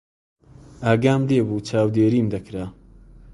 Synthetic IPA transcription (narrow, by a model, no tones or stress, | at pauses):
aːɡaːmleːbuːt͡ʃʰaːwd̪eːɾiːmd̪ɐkɾaː